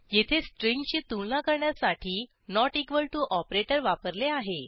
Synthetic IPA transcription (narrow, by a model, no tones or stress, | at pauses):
jet̪ʰesʈɾiŋɡt͡ɕiːt̪uɭlãkəɾɳjasaʈʰiː | nɔʈikʋəlʈuʔɔpɾeʈəɾʋapəɾleaɦe